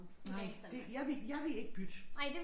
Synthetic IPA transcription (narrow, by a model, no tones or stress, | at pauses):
nɑɪ̰d̥ejɑ̈ɪʋejɑ̈ɪʋee̝ɡ̥̚b̥yd̥naɪd̥e